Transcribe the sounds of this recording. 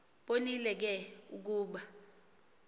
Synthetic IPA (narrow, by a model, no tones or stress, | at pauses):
ɓonilɛk̬ɛuk̬uːɓa